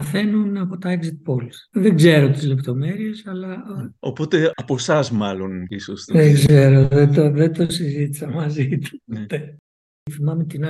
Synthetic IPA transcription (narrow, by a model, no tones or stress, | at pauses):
fe̞nunɐpot̪ɐeksit̪̚po̞lsðeɡze̞ɾo̞t̪izle̞pt̪o̞me̞ɾie̞sɐlɐo̰pot̪e̞ɐpo̞sɐzmɐlonisost̪ðeɡzeɾo̞ðet̪oðent̪osizit̪i̥sɐmɐzit̪u̥t̪e | θimɐmet̪inɐ